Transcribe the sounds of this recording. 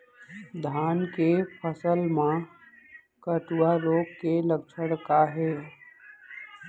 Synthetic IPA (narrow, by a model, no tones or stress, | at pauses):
d̪ʱaːnkepʰəsəlmã | kəʈuaɾoːkkeləb̚t͡ʃʰəɽkaɦɛː